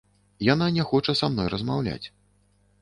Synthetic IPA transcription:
jananʲɛxɔt͡ʂɐsamnɔjrɐzmawlʲa̰t͡sʲ

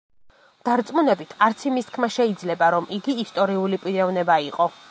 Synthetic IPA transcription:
d̪̥aɾt̪sʼmunɛbit̪ʰaɾt̪sʰimist̪kʰmaʃɛid̪zlɛbaɾɔmiɡiːst̪ʼɔɾiulipʼiɾɛvnɛbaiqʼɔ

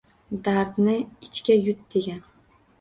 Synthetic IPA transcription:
d̪aɾd̪nɪɪt͡ʃkʲajʊt̪̚d̪̥e̞ɡʲan

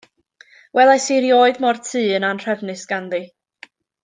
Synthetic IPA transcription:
wʔɛlˠajsiɾjoːɨdmɔrtʰɨːənanr̥ɛvnɨsɡ̥anði

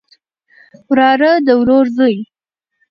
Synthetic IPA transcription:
ɾɑɾəd̪əwɾoɾzəj

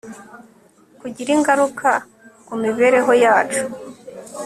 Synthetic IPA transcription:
kuɟiɾiŋɡaɾuka | kumiβe̞ɾe̞ɦo̞jaːt͡ʃu̥

